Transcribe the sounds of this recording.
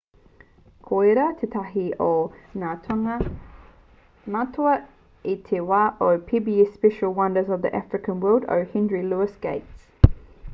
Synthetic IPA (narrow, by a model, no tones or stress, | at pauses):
kʰɔɪɾətʰɪtʰaɦiʔənatʰŋə | matʰə | itʰɪwaʔəpʰibiispɛʃəlˠwʌ̃ndəzəvðḭʔafɹɪkʰə̃nwɜːlˠdə̰hɪ̃nɹiluəsɡ̥eɪts